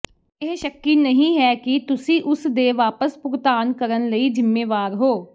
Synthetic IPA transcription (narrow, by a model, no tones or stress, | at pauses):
ɪɦʃəkːiːnəɦĩːɦɛːkɪt̪ʊsĩːʔʊsd̪eːʋaːpəspʊɡt̪aːnkəɾənləiːd͡ʒɪmːeːʋaːɾɦoː